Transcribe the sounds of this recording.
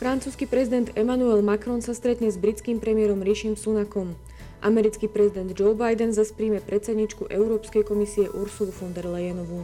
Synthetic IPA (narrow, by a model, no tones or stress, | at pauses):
fɾant͡suːskipɾɛzid̪ɛnd̪ɛmanuɛlmakɾɔnsast̪ɾɛt̪ɲɛzbɾit͡skiːmpɾɛmiɪɛɾɔmɾiʃiːmsunakɔm | ʔamɛɾit͡skipɾɛzid̪ɛnd̪d͡ʒɔbajd̪ɛnzaspɾiːmɛpɾɛtt͡sɛd̪ɲiːt͡ʃkuʔɛʊɾɔːpskɛjkɔmisiɛʔuɾsulufɔnd̪ɛɾlɛjɛnɔʋu